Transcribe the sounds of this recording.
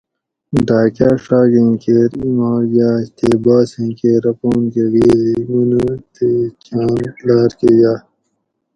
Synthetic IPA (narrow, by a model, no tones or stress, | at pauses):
ɖaːkaːʂaːɡẽkeːɾimaːɡaːɕt̪eːbaːsẽkeːɾɐpoːnkeɡeːzimunut̪et͡ɕaːnlaːɾkeːjaː